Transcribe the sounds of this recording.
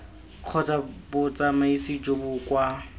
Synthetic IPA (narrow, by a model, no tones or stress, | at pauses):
kʰɔt͡sabʊt͡sʼamaisid͡ʒobʊkwa